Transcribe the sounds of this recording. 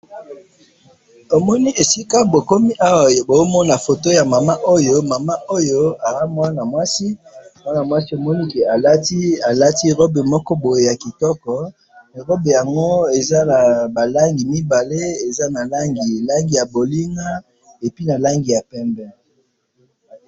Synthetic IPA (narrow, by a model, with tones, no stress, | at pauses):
o˨mɔ˦ni˦ʔe˨si˦ka˦bo˨ko˦mi˦ʔa˦wa˨bo˨zo˦mɔ˦na˨fo˨to˦ja˨ma˨ma˦ʔo˦jo˦ma˨ma˦ʔo˦jo˦a˨a˦mwa˦na˨mwa˦si˦mwa˦na˨mwa˦si˦o˨mɔ˦ni˦ke˨a˨la˦ti˦a˨la˦ti˦ʁo˦be˨mɔ˦kɔ˦bo˨je˦ja˨ki˨tɔ˦kɔ˨ | ʁɔ˦be˨ja˨ŋɡo˦e˨za˦na˨ba˨la˦ŋɡi˨mi˦ba˨le˦e˨za˦na˨la˦ŋɡi˨la˦ŋɡi˨ja˨bo˨li˦ŋɡa˦ | e˨pi˦na˨la˦ŋɡi˨ja˨pɛ˦mbɛ˦